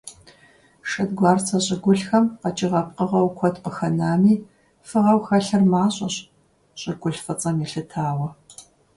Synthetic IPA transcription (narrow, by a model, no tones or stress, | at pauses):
ʃɐdɡʷɑːrt͡sʰɐɕʼɪɡʷʊɬxɐmqɐt͡ʃʼɪʁɐp̚qəʁɐwkʷʰɔtʰpəxɐnaːmiː | fɨʁɐwxɐɬɨrmaːɕʼɐɕ | ɕʼɪɡʷʊɬfɨt͡sʼɐmiɬɨtʰaːwɐ